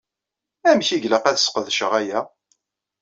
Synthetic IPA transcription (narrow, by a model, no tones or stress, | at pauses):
æmçiʝləqæθəsqəðʃəʁæjæ